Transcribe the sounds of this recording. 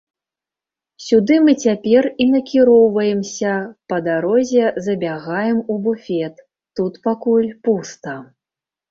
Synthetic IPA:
sʲud̪ɨmɨt͡sʲapʲɛrinɐkʲiɾɔwvɐjɛmsʲɐpɐd̪aɾɔzʲɛzɐbʲaɣajɛmubufʲɛt̪ː | ut̪pakulʲpust̪ɐ

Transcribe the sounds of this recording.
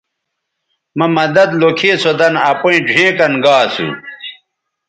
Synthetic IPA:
mɐmɐd̪ɐd̪lokʰeːsod̪ɐnɐpoĩd͡ʑʱẽːkɐnɡaːsṵ

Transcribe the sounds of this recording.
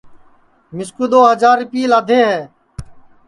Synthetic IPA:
mɪskuːd̪oːɦəd͡ʒaːɾɪpiːlaːd̪ʱeːɦɛː

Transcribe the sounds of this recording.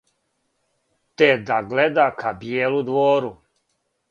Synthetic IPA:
t̪ed̪aɡled̪akʰabjeːlud̪ʋoːɾu

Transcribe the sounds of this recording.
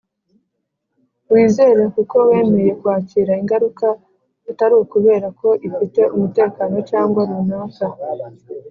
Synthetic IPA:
wiːze̞ːɾekuko̞we̞ːme̞je̞kuhaːciːɾaiŋɡaɾuka | itaɾiwokuβe̞ːɾako̞ʔifite̞umute̞ːkano̞caːŋɡwaɾunaːka

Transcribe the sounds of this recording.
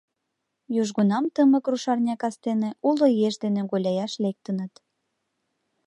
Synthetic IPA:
juʒɣunɑmt̪əməkruʃɑrnʲɑkɑst̪eneʔulojeʃd̪eneɣolʲɑjɑʃlek̚t̪ənət̪

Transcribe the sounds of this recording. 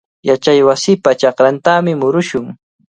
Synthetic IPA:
jat͡ʃajwasɪːpat͡ʃɑqɾant̪amɪmʊɾʊʃʊŋ

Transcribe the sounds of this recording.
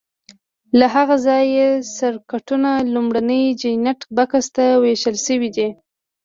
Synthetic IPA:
laɦaɣazɑjesaɾkaʈunalumɽanəjd͡ʒajnaʈbakast̪aweʃəlʃəwid̪i

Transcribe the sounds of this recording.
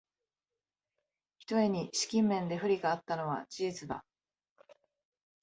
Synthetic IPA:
çi̥t̪o̞e̞ɲ̟iɕi̥kʲĩmːẽ̞nd̪e̞ɸɯ̟ɾʲiɡaːt̪ːano̞β̞a̰d͡ʑiːt͡sɨba̰

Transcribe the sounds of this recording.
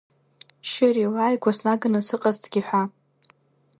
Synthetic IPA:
ʃɪriwaːjɡʷasnaɡɨnɨsɨqʼazdɡʲɪħʷa

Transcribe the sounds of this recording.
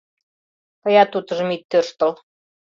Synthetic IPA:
kɤ̆jɑt̪ut̪ɤ̆ʒə̆mit̪ːørʃt̪ə̆l

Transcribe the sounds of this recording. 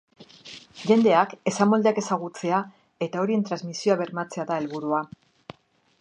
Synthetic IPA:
ʝe̞nd̪e̞ake̞samo̞ld̪e̞ake̞saɣut͡se̞a | e̞t̪ao̞ɾie̞nt̪ɾazmisioaβe̞ɾmat͡se̞aðae̞lβuɾua

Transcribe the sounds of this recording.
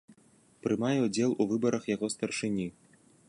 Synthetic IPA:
pɾɨmajɛud͡zʲɛlˠuvɨbɐɾʔɐxjaɣɔst̪ɐrʂɨnʲi

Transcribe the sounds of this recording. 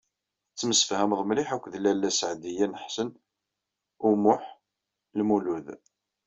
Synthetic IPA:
t͡sːəməsə̥fhæmðˤmliħækʷːðlːælːæsəʕd̪ijænəħsən | umʊħ | lmuluð

